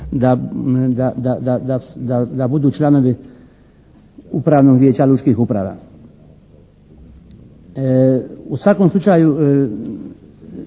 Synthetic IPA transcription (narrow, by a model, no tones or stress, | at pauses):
d̪ad̪ad̪ad̪ad̪ad̪ad̪abud̪uːt͡ʃlanoʋi | upɾavnoɡvʲjet͡ɕalʲut͡ʃkixupɾaʋa̰ | usʋakomslˠut͡ʃaju